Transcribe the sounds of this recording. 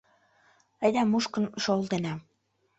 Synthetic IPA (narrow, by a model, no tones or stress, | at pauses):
əjd̪æmuʃkə̆nʃolˠt̪enɑ